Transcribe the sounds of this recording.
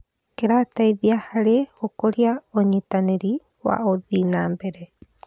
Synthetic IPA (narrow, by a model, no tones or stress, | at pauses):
keɾat̪ajbiahaɾehokoɾiaoɲit̪aneɾi | wa̰ʔoðinambeɾe